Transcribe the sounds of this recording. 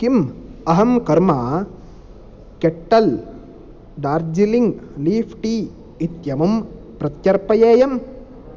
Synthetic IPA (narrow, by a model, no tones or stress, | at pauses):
kimɐɦɐmkɐɾmaː | keʈːɐl | ɖaːɾd͡ʒiliŋɡliːfʰʈi | it̪jɐmum | pɾɐt̪jɐɾpɐjeːjɐm